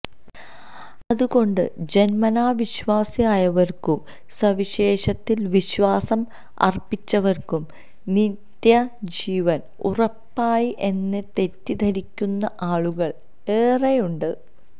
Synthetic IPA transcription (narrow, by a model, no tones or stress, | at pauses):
ɐðuɣo̞ɳɖɨ̰d͡ʑe̞nmɐnaːʋiɕʋaːsijaːjɐʋɐrkum | sɐʋiɕe̞ːɕɐt̪ːilʋiɕʋaːsɐm | ɐ̰rpːit͡ɕːɐʋɐrkum | nit̪jɐd͡ʑiːʋɐn | urɐpːaːjiʔe̞nːe̞t̪e̞tːid̪ʱɐɾikʲːunːɐʔaːɭuɣɐɭ | eːrejuɳɖɨ